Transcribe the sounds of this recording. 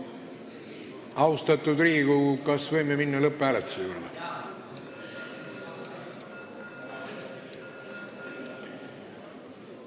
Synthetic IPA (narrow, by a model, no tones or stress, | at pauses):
ɑust̪ɑt̪ːˑud̪riːɡukɑsvɤjmeminːɑlɤpːæːlet̪ːˑu̥sejuːɾd̪ɑ̰